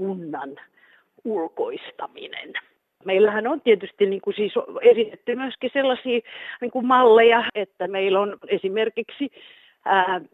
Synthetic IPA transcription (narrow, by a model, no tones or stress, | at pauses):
kunːɑn | ulkoist̪ɑmḭnḛn | meilːæhænont̪iet̪yst̪inniːŋkusiːsoesit̪et̪ːymyøskiselːɑsiːniːŋkummɑlːejɑet̪ːæmeilonesimerkiksi | æː